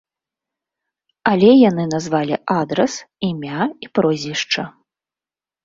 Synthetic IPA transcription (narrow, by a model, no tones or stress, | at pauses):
alʲɛjan̪ɨnazvalʲiʔad̪ɾɐsimʲaipɾɔzʲvʲiʂt͡ʂɐ